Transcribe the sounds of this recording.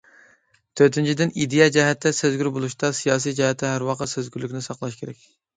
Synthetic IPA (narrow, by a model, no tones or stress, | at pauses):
t̪ʰøɾt̪ɪnt͡ʃʰid̪ɪnid̪ejɛd͡ʒɛɦɛt̪ʰːɛsøzɡʲyɾbolˠuʃt̪ɑsijɑːs̬ijd͡ʒɛhɛt̪ʰːɛɦæɾwɑqəsøzɡʲyɾlykʲnɪsɑqlˠɑʃkʲʰeɾɛkʲ